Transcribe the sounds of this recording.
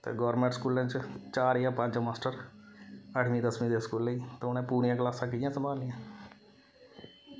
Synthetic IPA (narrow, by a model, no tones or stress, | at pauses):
t̪ḛːɡɔːɾmẽɳʈskuːlẽːt͡ʃt͡ʃaːɾjãːpə̃ɲd͡ʒmaːsʈəɾ | əʈʰmĩːd̪əsmĩːd̪eːskuːlːəiːt̪eʊnɛ̃ːpuːɽɪjãːklaːsãːkɪjãːsəmbʱaːlːɪjãː